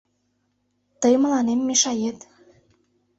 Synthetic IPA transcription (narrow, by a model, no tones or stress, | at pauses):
t̪ɤjmə̆lɑnemːeʃɑjet̪